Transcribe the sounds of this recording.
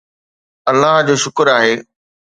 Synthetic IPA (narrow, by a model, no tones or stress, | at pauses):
ɐlːaɦd͡ʑoːʃʊkəɾaːɦeː